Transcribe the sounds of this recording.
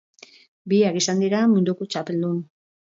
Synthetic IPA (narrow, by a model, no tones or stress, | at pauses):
biakisand̪iɾamund̪ukot͡ʃape̞ld̪un